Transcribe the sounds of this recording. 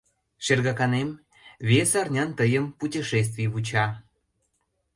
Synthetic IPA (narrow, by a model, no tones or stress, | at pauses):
ʃerɣɑkɑnem | βʲesɑrnʲɑnt̪əjəmputʲiʃes̬t̪vʲijβut͡ɕɑ